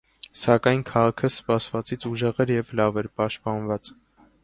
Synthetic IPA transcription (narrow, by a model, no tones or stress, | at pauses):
sɑkɑjnkʰɑʁɑkʰəspɑsvɑt͡sit͡sʰuʒɛʁɛɾjɛvlɑvɛɾpɑʃt̪̚pɑnvɑt͡s